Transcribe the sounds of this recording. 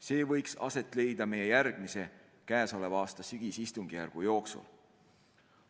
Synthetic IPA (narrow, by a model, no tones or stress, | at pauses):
se̞ːvɤ̞jksɑ̰se̞t̪ːˑle̞jd̪̥ɑme̞jejærɡ̥mise̞ | kæːso̞levɑːst̪ɑsyɡ̥isist̪uŋɡ̥ijærɡ̥ujo̞ːksṵl